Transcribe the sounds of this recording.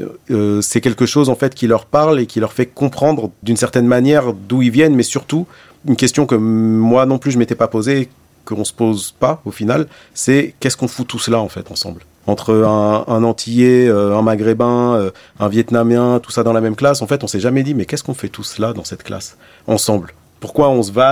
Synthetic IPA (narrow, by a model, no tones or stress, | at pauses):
øsɛkʲɛlkəʃozɑ̃fɛt̪kʲilœʁpaʁlekʲilœʁfɛkɔ̃pχɑ̃d̪ʁəd̪ynsɛʁt̪ɛnmanjɛʁd̪uilvjɛnmɛsyʁt̪u | ynkʲɛst̪jɔ̃kəmwanɔ̃plyʒəmet̪ɛpapozeː | kəɔ̃sə̥pozpaofinal | sɛkʲɛskɔ̃fut̪uslaɑ̃fɛt̪ɑ̃sɑ̃bl | ɑ̃t̪χəɛ̃ɛ̃nɑ̃t̪ʰijeøɛ̃maɡʁebɛ̃ø | ɛ̃vjɛt̪namjɛ̃t̪u̥sad̪ɑ̃lamɛmklasɑ̃fɛt̪ɔ̃sɛʒamɛd̪imɛkʲɛskɔ̃fɛt̪uslad̪ɑ̃sɛt̪kla̰s | ɑ̃sɑ̃bl | puʁkwaɔ̃səva